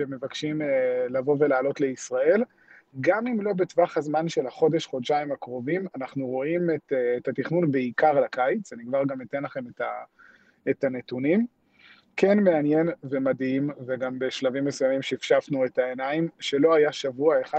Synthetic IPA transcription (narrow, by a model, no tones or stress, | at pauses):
ʃeme̞vakʃimlavo̞ve̞laːlo̞tle̞isʁae̞l | ɡamimlo̞betvaχhazmanʃe̞lhaχo̞de̞ʃχo̞dʃaimakʁo̞vimanaχnuʁo̞imetːtat̪iχnunbeikaʁlakajit͡sanikvaʁɡamite̞nlaχe̞meta | etanetunim | ke̞nme̞anje̞nvemadimveɡambeʃlavimːe̞sujamimʃeifʃafnue̞taenaimʃe̞lo̞ajaʃavuaeχa